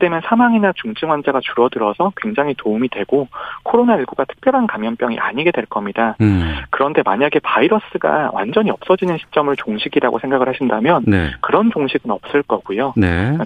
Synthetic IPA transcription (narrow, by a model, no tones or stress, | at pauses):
t͈e̞mjʌnsʰamaŋinat͡ɕuŋt͡ɕʰɯŋwand͡ʑaɡat͡ɕuɾʌdɯɾʌsʰʌkwe̞ŋd͡ʑaŋitoumidwe̞ɡokʰoɾonaiɭɡuɡatʰɯ̥k̚p͈jʌɾɦankamjʌnp͈jʌŋḭʔa̰ɲiɡe̞dweɭk͈ʌmɲidakɯɾʌnde̞maɲaɡe̞paiɾʌs͈ɯɡa̰wa̰nd͡ʑʌɲiʌp̚s͈ʌd͡ʑinɯnɕʰi̥t͡ɕ͈ʌmɯɭt͡ɕoŋɕʰiɡiɾaɡo̰sʰe̞ŋɡaɡɯɭhaɕʰindamjʌnnekɯɾʌnd͡ʑoŋɕʰiɡɯnʌp̚s͈ɯɭk͈ʌɡ̥ujone